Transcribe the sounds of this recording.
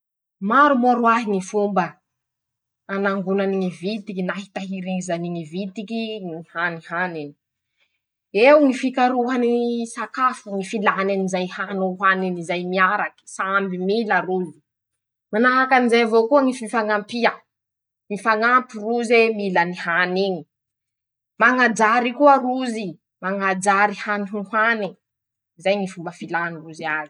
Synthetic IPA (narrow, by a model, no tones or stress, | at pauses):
maɾumoɾuaɦiŋifumbə | anaŋɡunaniŋivit̪ikinaɦit̪aɦiɾiŋizaniŋivit̪ikiŋihanihanini̥ | ewŋifikaɾuɦanisakafaŋifilaɦnanizajhanoɦaninizajmiaɾaki̥sambimilaruzi̥ | manaɦakanizajavokuəŋififaŋampia | ŋifaŋampiruzemilanihaniɲi | maŋad͡ʒaɾikuaruzi | maŋad͡ʒaɾihaniɦuɦwani | zajŋifumbəfilaniruziazi̥